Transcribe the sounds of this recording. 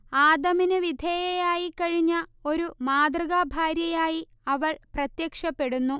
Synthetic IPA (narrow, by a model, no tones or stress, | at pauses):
aːd̪ɐminɨʋid̪ʱeːjɐjaːjikːɐɻiɲːɐo̞ɾumaːd̪rɐɣabʱaːɾjɐjaːji | ɐʋɐɭprɐt̪jɐkʂɐpːe̞ɽunːu